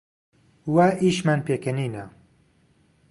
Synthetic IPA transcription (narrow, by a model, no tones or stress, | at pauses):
waʔiʃmanpeːkɐniːna